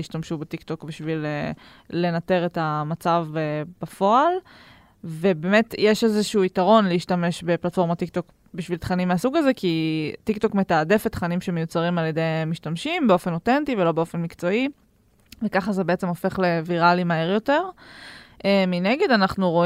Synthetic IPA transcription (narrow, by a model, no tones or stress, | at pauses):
iʃtamʃubetikt̪o̞kbiʃvileː | e̞nate̞ʁetamat͡saveb̥afo̞al | ve̞beme̞tjeʃezeʃuuitaʁo̞nleiʃtame̞ʃbe̞platfo̞ʁmatik̚t̪o̞k | biʃvilt̪χanimːeasuɡaze̞kitiktokme̞taːde̞fetχanimʃemejut͡saʁimaljed̪ejmiʃtamʃimbeo̞fe̞no̞tentive̞lo̞beo̞fe̞nmikt͡so̞i | vekaχaze̞beet͡se̞mo̞fe̞χleviʁalimae̞ʁjo̞te̞ʁʔemineɡe̞danaχnuʁo̞